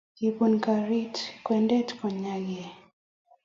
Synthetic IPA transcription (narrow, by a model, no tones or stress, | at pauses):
kipunkaɾitkwɛndɛtkɔɲaɡɛ